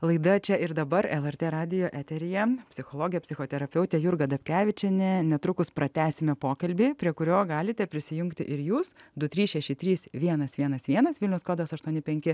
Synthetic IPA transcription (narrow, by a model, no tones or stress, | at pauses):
lˠɐɪd̪ɐt͡ʃʲɛɪɾd̪ɐbɐɾɛlˠɛrt̪ʲeːɾɑːd̪ʲɪjoːʔæːt̪ʲɛɾʲɪjɛpʲsʲɪxoːlˠoːɡʲɪjɛpʲsʲɪxoːt̪ʲɛɾɐpʲɛʊt̪ʲɛjʊɾɡɐd̪ɐpʲkʲæːʋʲɪt͡ʃʲɛnʲɛnʲɛt̪ɾʊkʊspɾɐt̪ʲæːsʲɪmʲɛpoːkɐlʲbʲipʲɾʲiɛkʊɾʲoːɡɑːlʲɪt̪ʲɛpʲɾʲɪsʲɪjʊŋkt̪ʲɪʔɪɾjuːsd̪ʊt̪ʲɾʲiːsʃʲɛʃʲɪt̪ʲɾʲiːsʋʲiɛnɐsʋʲiɛnɐsʋʲiɛnɐsʋʲɪlʲnʲɛʊskoːd̪ɐsɐʃt̪uɔnʲɪpʲɛŋʲkʲɪ